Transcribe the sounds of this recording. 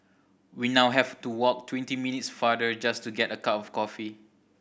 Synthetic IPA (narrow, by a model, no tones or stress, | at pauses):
winawɦɛvtuwɔk̚tʰwɛ̃ntiminitsfadəd͡ʒastuɡɛtəkatɔfkɔfi